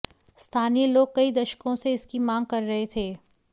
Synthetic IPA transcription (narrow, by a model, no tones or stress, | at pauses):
st̪ʰaːnijeloːɡ̚kɐid̪ɐʃkõseɪskimãːŋɡ̚kɐɾːɐɦet̪ʰeː